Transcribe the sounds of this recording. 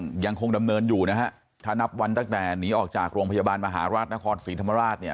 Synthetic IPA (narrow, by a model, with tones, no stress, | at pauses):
ŋja˧ŋkʰo˧ŋda˧mnɤː˧njuː˨˩na˦˥kʰa˦˥ʔ | t̪ʰaː˥˩na˦˥p̚wa˧nt̪aː˧˥˩ŋt̪ɛː˨˩niː˦˥ʔɔː˨˩k̚t͡ɕaː˨˩k̚ɾoː˧ŋpʰa˧jaː˧baː˧nma˧ɦaː˩˦ɾaː˥˩t̪̚na˦˥kʰɔː˧nsiː˨˩˦t̪ʰa˧ma˧ɾaː˥˩t̪̚ni˥˩ɐ